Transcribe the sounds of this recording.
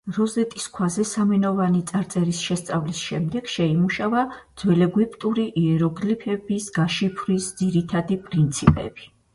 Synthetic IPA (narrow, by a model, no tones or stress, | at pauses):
ɾɔzɛt̪ʼiskʰwazɛsamɛnɔvanit̪sʼaɾt̪sʼɛɾisʃɛst̪sʼavlisʃɛmd̪ɛɡ̥ʃɛimuʃavad̪̥z̥wɛlɛɡwipʼt̪ʼuɾiʔiɛɾɔɡlipʰɛbisɡaʃipʰɾisd̪ziɾit̪ʰad̪ipʼɾint̪sʰipʼɛ̰bi